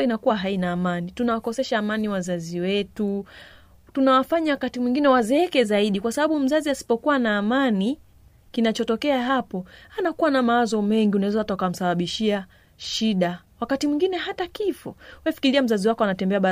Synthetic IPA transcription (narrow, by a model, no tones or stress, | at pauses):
inakuwaɦainaːmanitunawakɔsɛʃaːmaniwazaziwɛtu | tunawafaɲawakatimwiŋɡinɛwazɛɛkɛzaiɗikwasaɓaɓum̩zaziasi̥pɔkuwanaːmani | kinat͡ʃɔtɔkɛaɦapɔanakuwanamawazɔmɛŋɡiunawɛzaatakam̩saɓaɓiʃia | ʃiɗawakatimwĩŋɡinɛɦatakifɔwɛfi̥kiliam̩zaziwakɔanatɛmbɛaɓa